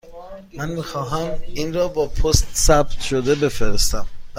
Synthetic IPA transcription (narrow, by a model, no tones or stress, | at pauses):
mænmiːxɒːɦæmiːnɾɒːbɒːpʰost̪sæb̚t̪ʃod̪ebe̞feɾest̪æm